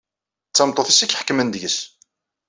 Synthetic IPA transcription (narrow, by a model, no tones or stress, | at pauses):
t͡sːɑmt̪ˤːoθisikħə̥kːmənd̪ʝəs